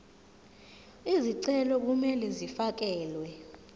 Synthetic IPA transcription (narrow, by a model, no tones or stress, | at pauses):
iziǀɛlɔk̬umɛlɛzifak̬ɛːlwɛ